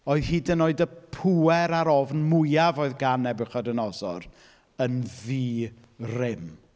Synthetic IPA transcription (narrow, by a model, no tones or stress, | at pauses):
ɔːɨð̥hiːdənoːɨdəpʰuɛɾaɾɔvnmʊjavoːɨðɡanɛbɨχɔdənɔsɔ̰r | ənðiː | rɪm